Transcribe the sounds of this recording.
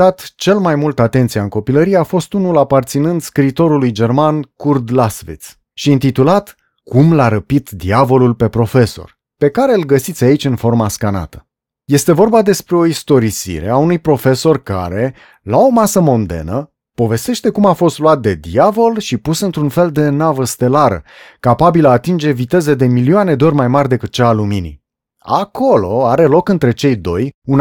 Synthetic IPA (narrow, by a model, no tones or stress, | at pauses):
at̪t͡ʃe̞lmajmult̪at̪e̞nt̪sijaɨŋko̞piləɾijeafo̞st̪unulapart̪sinɨnd̪skɾiːt̪o̞ɾulujd͡ʒe̞rmankurd̪lasvḭt̪s | ʃiɨnt̪it̪ulat̪ | kumlaɾəpit̪d̪iavo̞lulpe̞pɾo̞fe̞so̞̰r | pe̞kaɾe̞ɨlɡəsit̪sʲait͡ʃʲɨnfo̞rmaskana̰t̪ə̥ | je̞st̪e̞vo̞rbad̪e̞spɾe̞o̞ist̪o̞ɾisḭɾe̞̰aunujpɾo̞fe̞so̞rka̰ɾe̞ | lao̞masəmo̞nd̪e̞̰nə | po̞ve̞st̪eʃt̪e̞kumafo̞st̪luat̪̚d̪e̞d̪iavo̞lʃipusɨnt̪ɾunfe̞ld̪e̞navəst̪e̞laɾə̰kapabilːt̪ind͡ʒe̞vit̪e̞ze̞d̪e̞milioane̞d̪eo̞rʲmajmarʲd̪e̞kɨt̪̚t͡ʃaːluminḭ | a̰kʰo̞lo̞aɾe̞lo̞kɨnt̪ɾe̞t͡ʃe̞jd̪o̞jun